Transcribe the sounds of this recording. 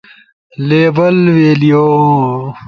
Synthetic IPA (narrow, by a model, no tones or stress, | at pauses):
leːbɐlweːlijoː